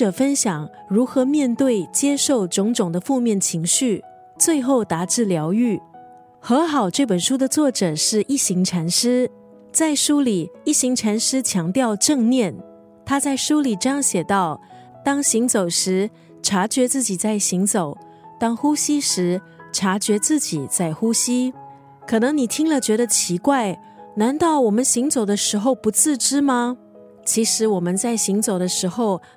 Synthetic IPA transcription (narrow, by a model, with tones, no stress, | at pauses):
ɤ˨˩fə˥nɕjɑ˨˩ŋ | ɻu˧˥xɤ˧˥mjɛ˥˧nt̪we˥˩ɪt͡ɕjɛ˥ʂo˥˩ʊʈ͡ʂʊ˧˥ŋʈ͡ʂʊ˨˩ŋd̪ə˦fu˥˧mjɛ˥˩nt͡ɕʰi˧˥ŋɕy˥˩ | t͡swe˥˧ɪxo˥˩ʊt̪a˧˥ʈ͡ʂɻ̩˥˩ljɑ˧˥ʊy˥˩ | xɤ˧˥xɑ˨˩ʊʈ͡ʂe˥˩p̬ə˨˩nʂu˥d̪ə˨t͡swɔ˥˩ʈ͡ʂɤ˨˩ʂɻ̩˥˧ʔi˥˩ɕi˧˥ŋʈ͡ʂʰa˧˥nʂɻ̩˥ | t͡sa˥˩ɪʂu˥li˨˩i˥˩ɕi˧˥ŋʈ͡ʂʰa˧˥nʂɻ̩˥t͡ɕʰjɑ˧˥ŋt̪jɑ˥˧ʊʈ͡ʂɤ˥˧ŋnjɛ˥˩n | t̪ʰa˥t͡sa˥˩ɪʂu˥li˨˩ʈ͡ʂɤ˥˧jɑ˥˩ŋɕjɛ˨˩t̪ɑ˥˩ʊ | t̪ɑ˥ŋɕi˧˥ŋt͡so˨˩ʊʂɻ̩˧˥ | ʈ͡ʂʰa˧˥t͡ɕɥɛ˧˥t͡sɹ̩˥˩t͡ɕi˨˩t͡sa˥˩ɪɕi˧˥ŋt͡so˨˩ʊ | t̪ɑ˥ŋxu˥ɕi˥ʂɻ̩˧˥ | ʈ͡ʂʰa˧˥t͡ɕɥɛ˧˥t͡sɹ̩˥˩t͡ɕi˨˩t͡sa˥˩ɪxu˥ɕi˥ | kʰɤ˨˩nɤ˧˥ŋni˨˩t̪ʰi˥ŋlə˨t͡ɕɥɛ˧˥ɾə˧t͡ɕʰi˧˥kwa˥˩ɪ | na˧˥nt̪ɑ˥˩ʊwɔ˨˩mə˦nɕi˧˥ŋt͡so˨˩ʊd̪ə˦ʂɻ̩˧˥xo˥˧ʊpu˧˥t͡sʰɹ̩˥˧ʈ͡ʂɻ̩˥mɐ˧ | t͡ɕʰi˧˥ʂɻ̩˧˥wɔ˨˩mə˦nt͡sa˥˩ɪɕi˧˥ŋt͡so˨˩ʊd̪ə˦ʂɻ̩˧˥xo˥˩ʊ